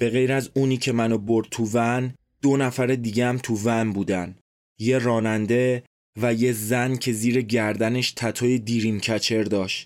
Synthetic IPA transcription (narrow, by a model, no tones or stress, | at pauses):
b̥e̞ɣe̞jɾæzuːniːcʰe̞mænobo̞ɾd̪̚t̪ʰuvæn | d̪̥onæfæɾed̪iːɟeæmt̪ʰuvænbuːd̪æn | je̞ɾɒːnænd̪e̞ | væje̞zæncʰe̞ziːɾe̞ɟæɾd̪æne̞ʃt̪ʰæt̪ʰɒːjed̪iːɾiːmcʰæt͡ʃʰe̞ɾd̪ɒːʃt̪